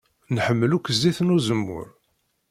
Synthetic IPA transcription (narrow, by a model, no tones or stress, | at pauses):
nħəmːəlukʷːəzːiθnuzəmːʊ̰ɾ